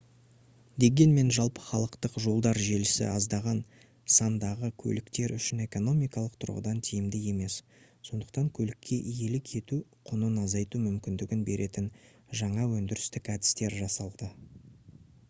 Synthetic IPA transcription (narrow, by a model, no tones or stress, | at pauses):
d̪e̞ɡʲe̞nme̞nʒɑlˠpə̥χɑlˠəqt̪əqʒo̞lˠd̪ɑɾʒe̞lɪsɪ̰ɑzd̪ɑʁɑn | sɑnd̪ɑʁəkʲʰɵ̰lɪkt̪e̞ɾʏʃɪne̞ko̞no̞mijkɑlˠəq̚t̪ʰʊ̰ɾʁə̰d̪ɑnt̪ʰijɪmd̪ɪje̞me̞s | so̞nd̪əq̚t̪ɑŋkʲʰɵlɪkʲːe̞ʔije̞lɪkʲʰe̞t̪uqʰʊnənɑzɑjt̪umʏmkʲɪnd̪ɪɡʲɪnbe̞ɾʔe̞t̪ɪn | ʒɑɴɑwɵnd̪ɪɾɪst̪ɪkæd̪ɪ̥st̪e̞ɾʒɑsɑlˠd̪ə